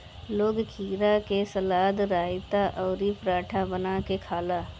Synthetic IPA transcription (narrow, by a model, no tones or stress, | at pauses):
loːɡkʰiːɾakesɐlaːd̪ɾaːɪt̪aʔɔːɾipɾaːʈʰabənakekʰaːlaː